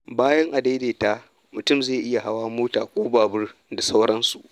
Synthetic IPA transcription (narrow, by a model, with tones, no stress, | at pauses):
baː˦jɐ˦ŋʔa˨da˦jdeː˨ta˦ | mʊ˨tʊ˦˨mzeː˦˨ʔɪ˦ja˨ɦa˦waː˦moː˦taː˨kʷʼoː˦baː˨bʊ˦rda˨sa˦wɽɐ˦nsu˨ʔ